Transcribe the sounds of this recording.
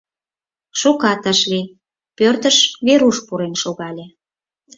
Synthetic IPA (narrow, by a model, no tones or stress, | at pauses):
ʃukɑt̪əʃli | pørt̪əʃβeɾuʃpuɾenʃoɣɑlʲe